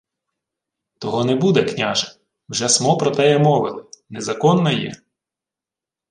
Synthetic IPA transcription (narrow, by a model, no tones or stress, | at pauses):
t̪ɔɦɔnɛbud̪ɛknʲaʒɐ | wʒɛsmɔpɾɔt̪ɛjɛmɔʋɪlˠɪnɛzɐkɔnːɐjɛ̰